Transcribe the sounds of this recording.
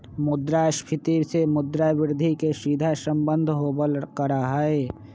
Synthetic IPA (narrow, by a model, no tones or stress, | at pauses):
mʊd̪ɾaspʰɪt̪isemʊd̪ɾaʋɪɾd̪ʱikesiːd̪ʱasəmbənd̪ʱɦoːbəlkəɾaɦəe